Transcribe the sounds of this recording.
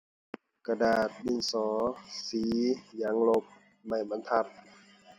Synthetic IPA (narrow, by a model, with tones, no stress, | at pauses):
ka˧daː˨˩t̪̚bi˧˨nsɔː˨˦siː˨˦ja˨˦ŋlo˧p̚ | ma˧˩jba˧˦nt̪ʰa˧˩p̚